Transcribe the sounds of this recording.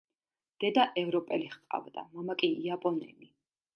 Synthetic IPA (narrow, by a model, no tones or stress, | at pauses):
d̪̥ɛd̪aʔɛvɾɔpʼɛliχqʼa̰vd̪a̰mamakʼiiapʼɔnɛ̰mi